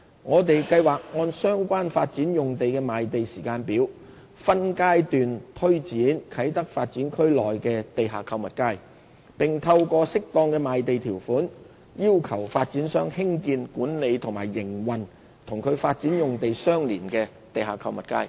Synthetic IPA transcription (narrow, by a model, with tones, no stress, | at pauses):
ŋɔː˨˧t̪e˨jkɐ˧jwaː˨k̚ŋɔː˧nsœː˥ŋkʷaː˥nfaː˧t̚t͡siː˨˥njʊ˨ŋt̪e˨jkɛː˧maː˨˧jt̪e˨jsiː˨˩kaː˧npiː˨˥w | fɐ˥nkaː˥jt̪yː˨˩nt̪ʰɵ˥ɥt͡siː˨˥nkʰɐ˨˥jt̪ɐ˥k̚faː˧t̚t͡siː˨˥nkʰɵ˥ɥlɔː˨jkɛː˧t̪e˨jɦaː˨˩kʰɐ˧wmɐ˨t̚kaː˥j | pɪ˨˩ŋt̪ʰɐ˧wkɔː˧sɪ˥k̚t̪ɔː˧ŋkɛː˧maː˨˧jt̪e˨jt̪ʰiː˨˩wfuː˨˥n | jiː˥wkʰɐ˨˩wfaː˧t̚t͡siː˨˥nsœː˥ŋhɪ˥ŋkiː˧nkuː˨˥nle˨˧jt̪ʰʊ˨˩ŋmaː˨˩jːɪ˨˩ŋwɐ˨n | t̪ʰʊ˨˩ŋkʰɵ˨˧ɥfaː˧t̚t͡siː˨˥njʊ˨ŋt̪e˨jsœː˥ŋliː˨˩nkɛː˧ | t̪e˨jɦaː˨˩kʰɐ˧wmɐ˨t̚ka̰ː˥j